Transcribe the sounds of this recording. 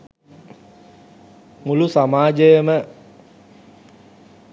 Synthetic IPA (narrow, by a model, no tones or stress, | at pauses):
mulusamaːd͡ʒəjəmə